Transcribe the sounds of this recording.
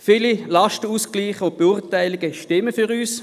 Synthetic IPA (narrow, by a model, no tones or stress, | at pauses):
fiːlilaʃtəuːskliːχʊnt̚b̥euʁtaɪlɪɡəʃtɪməfyʁyːs